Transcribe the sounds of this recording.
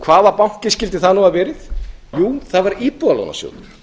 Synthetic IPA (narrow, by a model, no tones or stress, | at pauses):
kʰvaːðaɾpawŋ̥cɪscɪlt̪ɪθaðnuaðvɛːɾɪθjuːθaðvaɾiːpualo̰wna̰sjo̰wð